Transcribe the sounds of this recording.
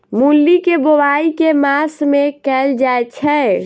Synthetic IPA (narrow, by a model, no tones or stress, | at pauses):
mulːikebowaikemasmẽkɛld͡ʒaett͡ʃʰɛ